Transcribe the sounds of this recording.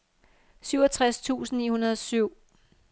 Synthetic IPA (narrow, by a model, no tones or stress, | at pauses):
syʊɐt͡sʰʁast͡sʰṵːsn̩nḭːhunɐðˠɒsyʊ̰